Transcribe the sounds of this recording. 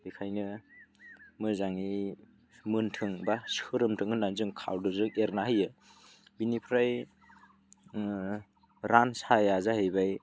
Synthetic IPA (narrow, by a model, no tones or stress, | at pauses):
bikʰajnɯ | mɯzaŋi | mɯntʰɯŋbasɯɾɯmtʰɯŋɯnːanzɯŋkʰa̰wdɯzɯŋeɾnahɯjɯ | binipʰɾaj | ɾansajazahɯjbaj